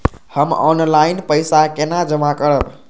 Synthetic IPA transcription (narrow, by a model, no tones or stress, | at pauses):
həmɔ̰nlajnpəjsakenad͡ʒəmakəɾəb